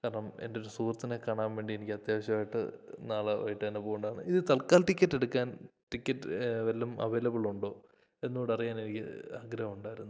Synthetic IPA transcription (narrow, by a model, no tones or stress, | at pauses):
kaːɾɐɳɐme̞̰ndeo̞ɾusuːrɐt̪ːinekːaːɳaːmʋe̞ːɳɖienikʲːɨɐt̪jaːʋɐɕɐmaːjiʈːɨ̰naːɭɨʋɐ̰jiʈːɨɐnɐpoːɣuɳɖaːɳɨ̰ʔiðɨt̪ɐɭkaːlʈikʲːɐtːe̞ɽukːaːnʈikʲːɐtːʋeɐlːɐmɐ̰ʋeːlɐbiɭuɳɖo̞ː | e̞nːoːɽɐrijaːne̞nikʲːɨ̰ɐɡɾɐɐmuɳɖaːjiɾunːu